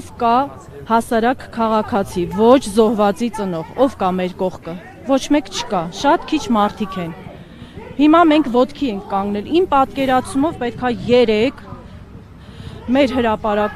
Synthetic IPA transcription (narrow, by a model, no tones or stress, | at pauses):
vkɑ | hɑsɑɾɑkkʰːɑʁɑkʰɑt͡sʰivɔt͡ʃʰzɔhvɑt͡sit͡sənɔʁɔvkɑmɛɾkɔʁkʰə | vɔt͡ʃʰmɛkt͡ʃʰə̥kɑʃɑt̪kʰit͡ʃʰmɑɾt̪ʰikʰɛn | himɑmɛŋkʰvɔt̪kʰiɛŋkʰːɑŋɡnɛlimpɑt̪kɛɾɑt͡sʰumɔvpɛt̪̚kʰɑjɛɾɛkʰ | mɛɾɦəɾɑpɑɾɑk